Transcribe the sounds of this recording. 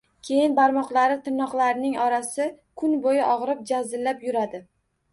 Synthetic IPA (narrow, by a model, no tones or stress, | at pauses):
kʲʰe̞jɪnbaɾmɒqlˠaɾɪt̪ʰɪnːɒqlˠaɾnɪŋɒɾasɪ | kʰʊnbojɪʔɒʁɾɪp̚d͡ʒazɪlːapjʊɾad̪ɪ